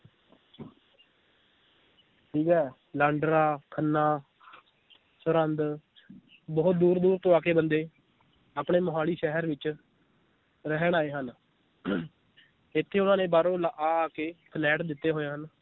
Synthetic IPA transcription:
ʈʰiːkɛː | laːɳɖɾaːkʰənːãː | sʊɾənd̪ | bɔːt̪̚d̪uːɾd̪uːɾt̪õːaːkeːbənd̪eː | aːpɳeːmʊɦaːɭiːʃɛɦəɾʋɪt͡ʃ | ɾəɦɳaːeːɦən | ɪt̪ʰːeːʊnãːnẽːbaːɾõːlaʔaːkeːkʰəlɛːʈd̪ɪt̪ːeːɦoːjãːɦən

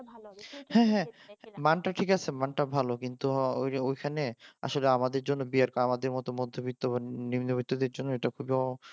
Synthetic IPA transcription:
hɛ̃ɦɛ̃manʈaʈʰikat͡ɕʰemanʈabʱalokint̪uoojkʰanea̰ʃoleamad̪eɾd͡ʑonːobiaɾkamad̪eɾmɔt̪omod̪ʱːobit̪ːoβanimnobit̪ːod̪eɾd͡ʑonːoeʈakʰubiɔ

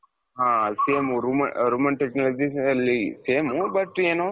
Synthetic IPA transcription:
ɦãːseːmuɾumɐɾuːmɐnʈeknɐlod͡ʒiɐlːiseːmubɐʈɾeːnõ

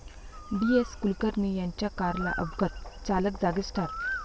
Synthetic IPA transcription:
bieskulkəɾnijaɲt͡ɕjakaɾla̰ʔəbɡət̪̚t͡saləkd͡zaɡisʈʰaɾ

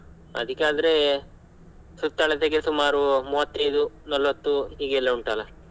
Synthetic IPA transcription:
ɐ̰d̪ikːeaːd̪ɐɾe | sut̪ːɐɭet̪eɡesumaːɾumuːʋɐt̪ːɐjd̪unɐlʋɐt̪ːuɦiːɡeːlːɐuɳʈalɐ

